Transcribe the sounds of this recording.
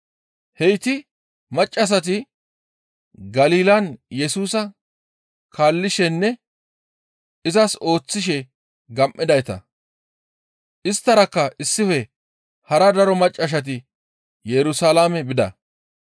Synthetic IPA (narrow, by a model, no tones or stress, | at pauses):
hɛjt̪ɪ | mɐt͡ʃʼːɐs̬ɐt̪̬ɪ | ɡɐliːlɐnjɛsuːsɐ | kʰaːlːɪʃɛnːɛ | ɪzɐso̞ːt͡sːɪʃɛ | ɡɐmʔːɪd̪ɐjt̪ɐ̰ | ʔɪst̪ːɐɾɐkːɐɪsːɪfɛ | hɐɾɐd̪ɐɾɔmɐt͡ʃʼːɐʃ̬ɐt̪̬ɪ | jɛɾʊsaːlaːmɛbɪd̪ɐ̰